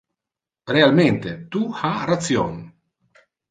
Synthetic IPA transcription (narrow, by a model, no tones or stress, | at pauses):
realment̪et̪uharat̪sjon